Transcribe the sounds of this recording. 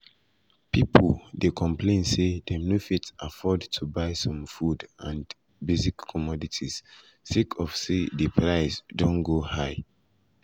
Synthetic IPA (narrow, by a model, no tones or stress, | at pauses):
pipʰoldekʰɔ̃mplẽnsedemnofitsafɔdtʰubaɪsɔ̃mfudãn | bezikʰːɔmɔditʰis | sikʰɔfsedəpʰɹaɪsdõnɡohaɪ